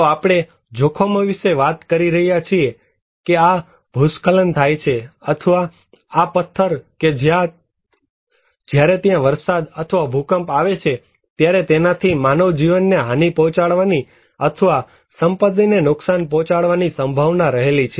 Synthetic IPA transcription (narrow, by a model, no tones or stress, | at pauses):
t̪oapɽ̃e | d͡ʒokʰomə̃ʋiʃeʋat̪kəɾiɾəɦijat͡ʃʰie | kea | bʱuskələnt̪ʰajt͡ʃʰeət̪ʰəʋaː | pət̪ʰːəɾked͡ʒjã | d͡ʒjaɾet̪jãʋəɾsad̪ət̪ʰəʋabʱukəmpaʋet͡ʃʰe | t̪jaɾet̪enat̪ʰimanoʋd͡ʒiʋənːeɦanipɔ̃ɦt͡ʃaɽʋani | ət̪ʰəʋa | səmpət̪̬ːinenʊksanpɔ̃t͡ʃaɽʋanisə̃mbʱaʋnaɾəɦelit͡ʃʰe